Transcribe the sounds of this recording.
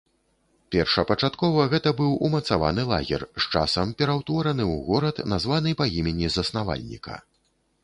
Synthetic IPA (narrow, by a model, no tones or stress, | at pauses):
pʲɛrʂɐpɐt͡ʂat̪kɔvɐɣɛt̪ɐbɨwumɐt̪sava̰nɨlˠa̰ɣʲɛ̰rʂt͡ʂa̰sɐmpʲɛɾawt̪vɔɾɐnɨwɣɔɾɐt̪nazvanɨpaimʲenʲizɐsnava̰lʲnʲḭkʰɐ̰